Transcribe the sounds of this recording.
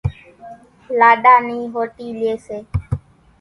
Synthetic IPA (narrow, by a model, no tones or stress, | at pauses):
laːɗaːniːɦoːʈiːleːseː